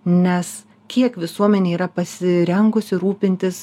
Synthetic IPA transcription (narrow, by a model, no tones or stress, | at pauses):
nʲɛs | kʲiɛkʋʲɪsuɔmʲɛnʲeːiːɾɐpɐsʲɪɾʲɛŋɡʊsʲɪɾuːpʲɪnʲt̪ʲɪs